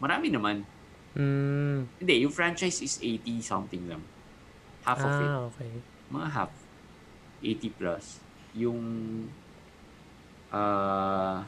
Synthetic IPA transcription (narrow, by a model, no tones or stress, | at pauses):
mɐɾaːmɪnɐman̩ | ʔɛnd̪ɛjʊŋfɹãnt͡ʃajsɪsʔejt̪isɐ̰mt̪ɪŋla̰ŋ | hafɔvɪokɛj | mɐŋaɦa̰f | ʔejt̪iplɐ̰s | jʊŋ | ʔa